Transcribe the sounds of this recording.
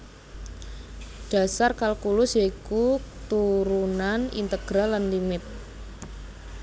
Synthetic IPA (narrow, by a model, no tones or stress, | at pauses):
ɖ̥a̤sarkalkulʊsjaikut̪uɾunanḭnt̪əɡ̥ɾalanlimɪt̪̚